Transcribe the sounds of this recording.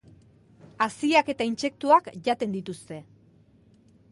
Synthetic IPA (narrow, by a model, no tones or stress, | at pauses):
asiake̞t̪ainse̞k̚t̪uakʝat̪e̞nd̪it̪ust̪e̞